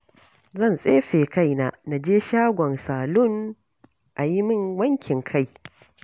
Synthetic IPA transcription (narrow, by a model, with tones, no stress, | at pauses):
zɐ˦˨nsʼeː˦ɸeː˨ka˦˨jna˨na˨d͡ʒeː˦ʃaː˦ɡʷɔ˨nsaː˨lʊ˦ŋ | ʔa˨ji˦mɪ˦ŋwɐ˦ŋkʲɪ˨ŋkʰa˦˨j